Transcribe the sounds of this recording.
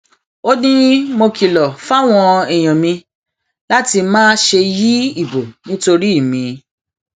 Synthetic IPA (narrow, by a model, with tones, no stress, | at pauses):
o˦dĩ˦mo˧ki˨lɔ˨fa˦w̃ɔ̃˧ɛ˨j̃ɔ̃˨mĩ˧ | la˦ti˧mãː˦ʃe˧ji˦i˦˨bo˨nĩ˦to˧ɾi˦i˦˨mĩ˨˧